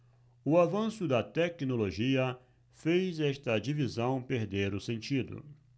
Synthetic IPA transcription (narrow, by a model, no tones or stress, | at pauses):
ʊavɐ̃sʊd̪ɐt̪ɛknoloʒiɐ | fejzɛʃt̪ɐd͡ʒivizɐ̃w̃peɾd̪eɾʊsẽnt͡ʃid̪ʊ̰